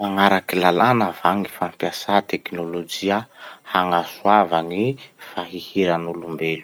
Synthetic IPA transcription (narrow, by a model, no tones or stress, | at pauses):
maŋaɾakilalanavaŋifampjasat̪eknolod͡ʒiahaŋasuavanifaɦihiɾanulumbelu̥